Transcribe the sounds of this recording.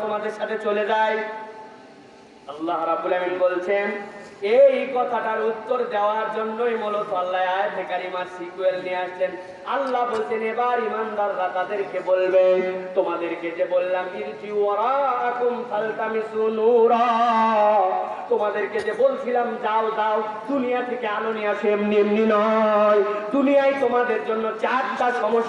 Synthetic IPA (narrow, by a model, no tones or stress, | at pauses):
omad̪eɾʃat̪ʰet͡ɕoled͡ʑaj | ɐlːaɦɾɐbːulaminbolt͡ɕʰenejkɔt̪ʰaʈaɾupt̪ːoɾd̪eoaɾd͡ʑonːojmolosalːajaebʰʱekaɾimasikuelniaʃt͡ɕʰen | alːabolt͡ɕʰenebaɾimand̪aɾːat̪ad̪eɾkebolbet̪omad̪eɾked͡ʑebolːamkint̪ʰiwɔɾaakumsalt̪amisunuɾɔ | t̪omad̪eɾked͡ʑebolt͡ɕʰilamd͡ʑawd͡ʒaw | d̪unijat̪ʰekealonijafemnimninɔjd̪unijajt̪omad̪eɾd͡ʑonːot͡ɕat̪daʃɔmoʃ